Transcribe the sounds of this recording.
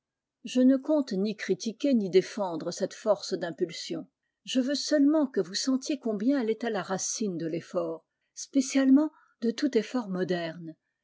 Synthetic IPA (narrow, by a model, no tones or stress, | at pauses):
ʒənəkɔ̃t̪nikχit̪ikʲenid̪efɑ̃d̪ʁəsɛt̪fɔʁsd̪ɛ̃pylsjɔ̃ | ʒəvøsœlmɑ̃kəvusɑ̃t̪jekɔ̃bjɛ̃ɛlɛt̪ɛlaʁasind̪əlefɔːʁ | spesjalmɑ̃ | d̪ət̪ut̪efɔʁmɔd̪ɛʁn